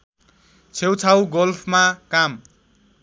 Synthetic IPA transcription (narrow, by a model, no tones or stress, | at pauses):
t͡sʰewt͡sʰawɡolpʰmakam